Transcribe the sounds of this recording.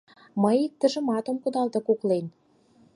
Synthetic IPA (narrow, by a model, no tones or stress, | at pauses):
məjik̚t̪ə̆ʒə̆mɑt̪ə̆mkud̪ɑlt̪ɤ̆kuklen